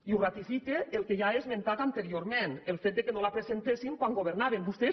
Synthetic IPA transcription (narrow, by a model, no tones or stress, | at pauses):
iurat̪ifikeelˠkeʒaezmẽnt̪at̪ant̪eɾioɾmenelˠfet̪̚d̪ekenolapɾezent̪esiŋkwaŋɡoβ̞eɾnaβembust̪e